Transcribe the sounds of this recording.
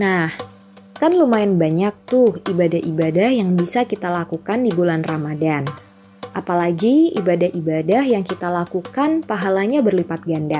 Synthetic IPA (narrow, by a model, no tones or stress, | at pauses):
nah | kanlumaɪnbaɲak̚t̪ʊhibadahibadahjaŋbisakit̪alakukandibulanramadan | ʔapalaɡiibadahʔibadahjaŋkit̪alakukanpaɦalaɲabərlipat̪̚ɡanda